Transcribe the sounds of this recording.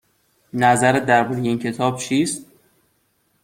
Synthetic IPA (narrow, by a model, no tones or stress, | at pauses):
næzæɾed̪æɾbuɾejeiːncʰe̞t̪ʰɒːb̥̚t͡ʃʰiːst̪̚